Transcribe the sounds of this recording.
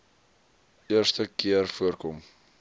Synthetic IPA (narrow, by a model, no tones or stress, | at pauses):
iərstəkiərfuərkɔm